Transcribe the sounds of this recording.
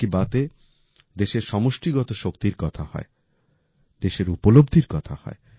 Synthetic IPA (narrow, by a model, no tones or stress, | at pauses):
ibat̪e | d̪eʃeɾʃɔmoʃʈiɡɔt̪oʃokt̪iɾkɔt̪ʰahɔ̰e | d̪̥eʃeɾupolob̚d̪ʱiɾkɔt̪ʰahɔ̰e